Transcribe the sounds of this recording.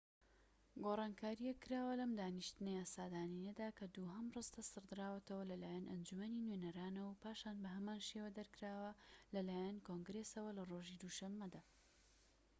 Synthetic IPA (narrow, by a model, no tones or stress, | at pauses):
ɡorˤɑːnkʰaːɾijɐkːɨɾaːwɐlɐmd̪aːniʃt̪ɨnɐjaːsaːd̪aːninɐd̪aːkʰɐd̪uɦɐmrɨst̪ɐsɨɾd̪ɨɾaːwɐt̪ʰɐwɐlɐlaːjɐnʔɐnd͡ʒumɐninwenɐɾaːnɐwpaːʃaːnbɐɦɐmaːnʃeːwɐd̪ɐɾkɨɾaːwɐlɐlaːjɐnkoŋɡɾesɐwɐlɐroːʒid̪uʃɐmːɐd̪aː